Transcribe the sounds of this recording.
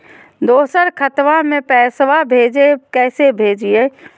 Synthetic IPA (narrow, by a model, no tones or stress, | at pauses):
d̪oːsəɾkʰət̪ʋamẽpɛːsʋabʱeːd͡ʒekɛːsebʱeːd͡ʒie